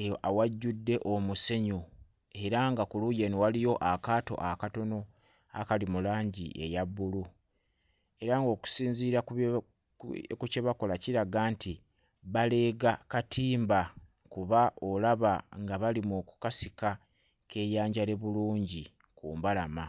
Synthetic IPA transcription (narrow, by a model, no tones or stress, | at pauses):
awaɟːudːe̞ʔomuse̞ɲu | e̞ɾaŋɡakulujeniwalijo̞ʔakaːto̞̰ʔakato̞no̞ | akalimulaːɲɟḭʔe̞̰jabːulu | e̞ɾaŋɡo̞ːku̥siːnziːɾak | kuceβako̞laciɾaɡaːnti | βale̞ɡakatʰiːmba | kuβaʔo̞laβaŋɡaβalimuku̥kasika | kʰe̞ːjaːɲɟale̞βuluːɲɟi | kuːmbalama